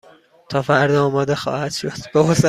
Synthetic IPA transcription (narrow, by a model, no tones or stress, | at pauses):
t̪ʰɒːfæɾd̪ɒɒːmɒːd̪exɒ̰ːhæd̪̥ʃo̞d̪̥b̥eose